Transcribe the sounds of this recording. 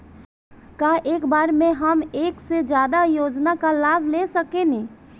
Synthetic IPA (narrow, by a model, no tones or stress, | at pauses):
kaːʔeːkbaːɾmẽɦəmeːksed͡ʒjaːd̪ajoːd͡ʒnakalaːbʱlesəkenẽː